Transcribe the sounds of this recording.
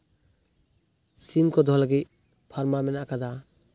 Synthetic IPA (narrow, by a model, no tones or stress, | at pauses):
simkɔd̪ʱɔlaɡit̪̚ | pʰaɾmamɛnakad̪a